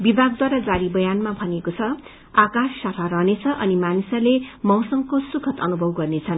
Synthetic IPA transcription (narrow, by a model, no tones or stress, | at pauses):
bibʱaɡ̚d̪waɾad͡zaɾibʌjanmabʱʌnekot͡sʰʌ | akasːat̪ʰaɾʌɦnet͡sʰʌʔʌnimanisʌlemʌ̃w̃sʌŋkosukʰʌt̪ʌnubʱʌwɡʌrnet͡sʰʌn